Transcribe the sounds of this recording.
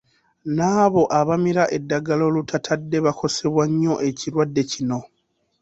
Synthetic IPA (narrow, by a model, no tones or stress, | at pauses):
naːβo̞ʔaβamiɾaʔe̞dːaɡalo̞ːlutʰatʰadːe̞βakʰo̞se̞βwaɲːo̞ʔe̞ciɾwadːe̞cino̞